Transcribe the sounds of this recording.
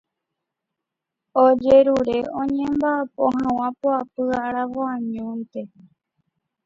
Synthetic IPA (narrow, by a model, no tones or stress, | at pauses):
od͡ʒe̞ɾuɾe̞ʔõɲẽ̞mbaːpõ̰ɦãw̃ãpoapɨaɾaʋoãɲũnt̪e̞